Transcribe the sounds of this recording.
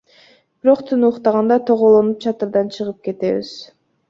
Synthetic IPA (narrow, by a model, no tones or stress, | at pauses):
b̥iɾo̞qt̪ʰɯnuːqt̪ɑʁɑnd̪ɑt̪ʰoʁolˠonup̚t͡ʃʰɑt̪ɯɾd̪ɑnt͡ʃʰɯʁɯp̚ke̞t̪e̞βḭz̥